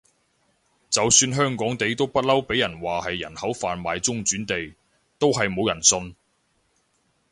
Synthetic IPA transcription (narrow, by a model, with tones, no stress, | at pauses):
t͡sɐ˨wsyː˧nɦœː˥ŋkɔː˨˥ŋt̪e˨jt̪o˥wpɐ˥t̚lɐ˥wpe˨˥jɐ˨˩nwaː˨hɐ˨jːɐ˨˩nhɐ˨˥wfaː˨nmaː˨jt͡sʊ˥ŋt͡ʃyː˨˥nt̪e˨j | t̪o˥wɦɐ˨jmo˨˧wjɐ˨˩nsɵ˧n